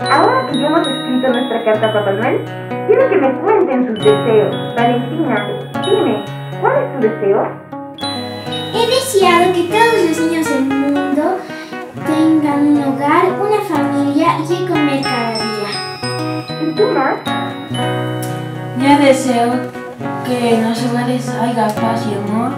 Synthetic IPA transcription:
aoɾasidemoseskɾit̪onwest̪ɾakaɾt̪apapanwel | k̪eɾokemekwe̞nt̪ent̪uzd̪eseosbalent̪inaped̪ime | kwalest̪uðeseo | eðesjaðoket̪oðoslosiɲozðelmũnd̪o | t̪eŋɡanũnluɣaɾunafamiljaʝikomeɾkaɾaðia | it̪umas | ɲaðeseo | kenasoɣalesajɣaspasiomoɾ

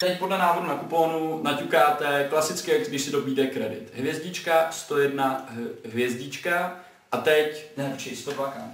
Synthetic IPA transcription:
t̪ɛcpo̞dlɛnaːɦo̞dunakupo̞ːnunacukaːt̪ɛklasɪt͡skɪɛkɡdɪʃsɪdo̞biːd̪ɛkɾɛdɪ̰t̪ɦvjɛzɟɪt͡ʃkast̪o̞jɛdnaɦvjɛzɟɪt͡ʃka | ʔat̪ɛcɛt͡ʃɪst̪oaka

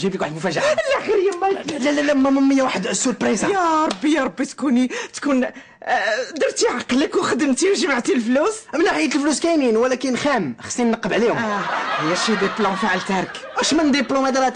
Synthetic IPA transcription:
ʒiblikwaħəd̪mʊfæʒaʕalʔæxəɾəjːæmːælælælæmːæməmːəjːawaħəd̪ʔəsːulpɾisjɑɾˤɑbːijɑɾˤɑbːit̪kunit̪kun | d̪əɾˤt̪iʕɑqːlːækuxəd̪əmt̪iwʒəmaʕt̪ilflusmənːaħəjːət̪əlfluskæjninwəlækənxæmxɑ̥sˤːinnːəqːəbʕlihʊhəjæʃid̪iplõfiʕlt̪æɾˤkæʃmənd̪iplumæd̪ɾˤɑt̪

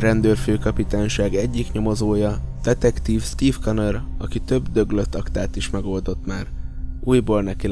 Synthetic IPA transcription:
rɛnd̪øːrføːkɒpit̪aːɲʃaːɡɛɟːikɲo̞mo̞zoːjɒd̪̥ɛt̪ɛkt̪iːfst̪iːfkɒnøɾɒkit̪ø̞bd̪ø̞ɡløt̪ːɒkt̪aːt̪iʃmɛɡo̞ld̪o̞t̪maːruːjboːlnɛki

